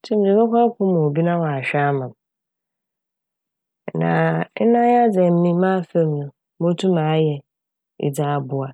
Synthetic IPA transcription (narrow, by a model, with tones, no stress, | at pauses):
tʰũ˦m˦dĩ˨kʊ˦kʰɔ˦ɾkʰʊ̃˦mʊ̃˨o˨bi˦nã˦wɔ˨a˨ɕᶣa˦mã˨m | nã̰˨n˦nã˦ja˦d͡zɛ˨m̩˦mĩ˦mãː˦fe˦m˨nʊ̃˨ | mõ˦tʰũ˦mãː˨˦jɛ˨ | ɪ̰˨d͡za˨a˨bʊ˨a˨